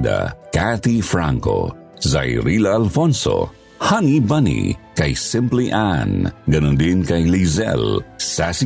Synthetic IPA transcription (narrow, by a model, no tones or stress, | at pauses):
d̪a̰kat̪ifɾãŋko̰ | za̰jɾilaːlfõnso̰ | hanibɐnḭkɐjsɪ̃mpliʔanɡɐnõnd̪inkɐjlizɛ̰lsasi